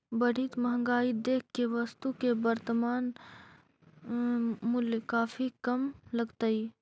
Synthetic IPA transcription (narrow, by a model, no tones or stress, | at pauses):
bəɽ̤iːt̪mɐɦə̃ŋɡaːid̪eːkʰkːeʋəst̪ukebəɾt̪əmaːn | mʊljkaːfʰikɐmləɡt̪əi